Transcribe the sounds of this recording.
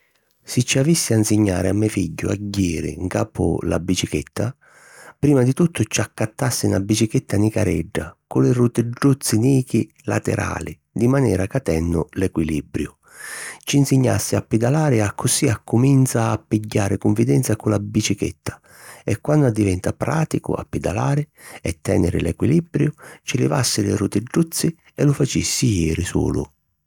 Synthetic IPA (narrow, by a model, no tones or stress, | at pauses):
sɪt͡ʃːiavisːɪansɪɲːa̰ːɾɪamːɛfiɟːʊ̰a̰ɟːiːɾḭŋkaːpʊ̰la̰bit͡ʃikḛt̪ʰːa | pɾiːmad̪it̪ut̪ʰːʊt͡ʃakːat̪ːasːɪnabːit͡ʃiket̪ʰːanikaɾɛ̰ɖːakʊlɪrut̪ɪɖːut̪sːiniːki | la̰t̪ɛ̰ɾʔa̰ːli | d̪imanɛ̰ːɾakat̪ɛnːʊ̰lɛkwilibɾjʊ | t͡ʃinsɪɲːa̰sːɪapːid̪alaːɾɪakʰːʊsiakːʊmint̪saːpːiɟːaːɾɪkʊɱvid̪ɛnt̪sakʊlabit͡ʃikḛt̪ːḁ | ɛkːwand̪ʊad̪ːivɛnt̪apɾaːt̪ikʊ̰a̰pːid̪a̰laːɾɪ | ɛt̪ːɛ̰ːnɪɾɪ̰lɛkwilibɾjʊt͡ʃɪlɪ̰vasːɪlɪ̰ɾut̪ɪɖːut̪sːi | ɛlʊfat͡ʃisːijɛːɾisṵːlʊ̰